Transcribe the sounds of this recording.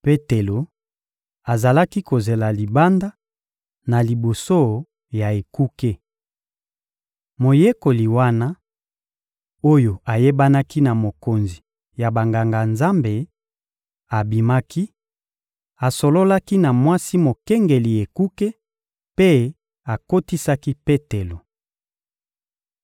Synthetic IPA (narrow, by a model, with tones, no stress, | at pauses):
pe˦te˨lo˨ | a˨za˨la˦ki˦ko˨ze˨la˨li˨ba˦nda˦ | na˨li˨bo˨so˦ | ja˨e˨ku˦ke˦ | mo˨je˦ko˨li˨wa˦na˦ | o˦jo˨a˨je˦ba˦na˦ki˦na˨mo˨ko˨nzi˨ | ja˨ba˨ŋɡa˨ŋɡa˨nza˦mbe˨ | a˨bi˨ma˦kʰi˦ | a˨so˨lo˦la˦ki˦na˨mwa˦si˦mo˨kɛ˦ŋɡe˨li˨e˨ku˦ke˦ | pe˦ | a˨ko˦ti˦sa˦ki˦pe˦te˨lo˨